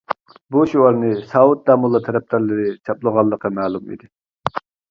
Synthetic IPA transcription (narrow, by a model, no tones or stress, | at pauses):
buʃuɑɾnɨsɑut̪̚d̪ɑːmulˠːɑt̪ʰɛɾɛp̚t̪æɾlɨɾɪt͡ʃʰɑplˠəʁɑlˠːəqːɑmæːlˠumḭd̪ɪ